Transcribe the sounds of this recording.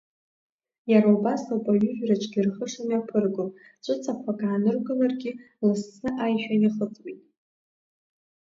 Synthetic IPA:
jaɾaubasapʼaɥʏʒᶣrat͡ʃʼdʲɨrχəʂaniapʰɨrɡop | t͡ʃʷʼɨt͡sʰapʷʰakʼaʕanɨrɡalarɡʲi | lɨsnɨʔajʃᶣaniχət͡sʼwitʼ

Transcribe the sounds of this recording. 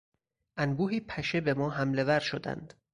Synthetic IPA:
ʔænbuːɦiːpʰæʃe̞be̞mɒːɦæmle̞væɾʃod̪æ̰nd̪̥

